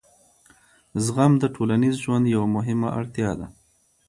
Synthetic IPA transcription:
zɣamd̪əʈʰolanizʒwand̪jawamʊɦɪmaʔa̰ɽt̪jɑd̪a̰

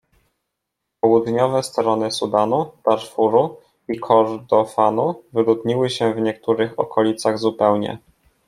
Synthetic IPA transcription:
pɔwud̪ɲɔvɛst̪ɾɔnɘsud̪anud̪̥aɾfuɾu | ikʰɔɾd̪ɔfanuvɘlud̪ɲiwɘɕɛvɲɛk̚t̪uɾɘxɔkʰɔlʲit̪saɣzupɛwɲɛ̰

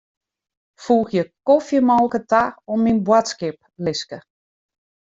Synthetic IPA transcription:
fuːxjəkofjəmɔlˠkətaɔmːinbwatskɪp̚ | lɪskə

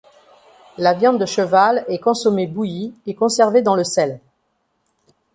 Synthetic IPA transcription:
lavjɑ̃d̪d̪əʃəvalɛkɔ̃sɔmebujiekɔ̃sɛʁved̪ɑ̃ləsɛl

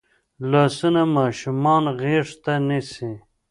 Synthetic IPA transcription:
lasunamɑːʃumɑːnɣeʂt̪anisi

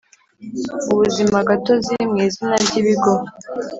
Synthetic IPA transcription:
uβuzimaɡato̞ziɾimŋiːzinabɟiβiɡo

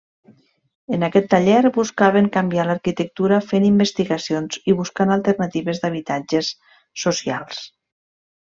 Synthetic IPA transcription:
ənakɛt̪ːaʎɛɾbuskaβeŋkambialaɾkit̪ək̚t̪uɾafenimbəst̪iɣasionziβuskanalˠt̪əɾnat̪iβezd̪aβ̞it̪ad͡ʒesː | osialˠs

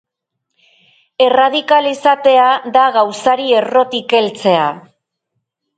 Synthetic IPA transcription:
e̞rað̞ikalisat̪e̞aðaɣawsaɾie̞ro̞t̪ike̞lt͡se̞a

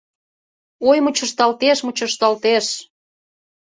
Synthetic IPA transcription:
ojmut͡ɕə̆ʃt̪ɑlt̪eʃmut͡ɕə̆ʃt̪ɑlt̪eʃ

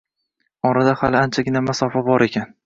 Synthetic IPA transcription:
ɒɾad̪ahalɪant͡ʃʰaɡʲɪnamasɒfabɒɾe̞kʲʰan

